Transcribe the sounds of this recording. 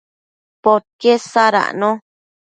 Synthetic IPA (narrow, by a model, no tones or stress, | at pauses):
poɾkesaɾa̰ʔnõ